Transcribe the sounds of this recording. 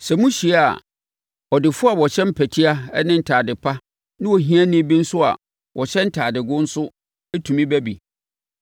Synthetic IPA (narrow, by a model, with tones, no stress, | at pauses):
sɛ˨mũ˦ɕi˨˦a̰˨ | ɔ˨dɪ˨fʊ˦a˨wɔ˨ɕɛ̃˦m̩˦pʰæ˨tʰi˦a˦ɛ˦nɪ̃˦n̩˨tʰaː˨dɪ˨pʰa˦ | nɪ̃˦wɔ˨ɦĩ˦a˦nɪ̃˦bĩ˦n̩˦sʊ˦a̰˨ | wʔɔ˨ɕɛ̃˦n̩˦tʰaː˨dɪ˨ɡʊ̃˦n̩˦sʊ˦ | ɛ˦tʰũ˨mĩ˦bæ˦bḭ˨